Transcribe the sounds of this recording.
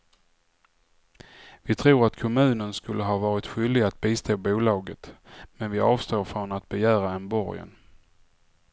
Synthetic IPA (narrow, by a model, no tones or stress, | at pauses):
vɪt̪ʰɾuːɾat̪kʰɔmʉ̟ːnənskɵlːəɦɑːvɑːɾɪt̪ɧʏld̪ɪɡat̪̚biːst̪ʰoːbuːlɑːɡət̪mɛnvɪʔɑːvst̪oːɾfɾɔnat̪̚bɛjæːɾaɛnbɔɾjə̰n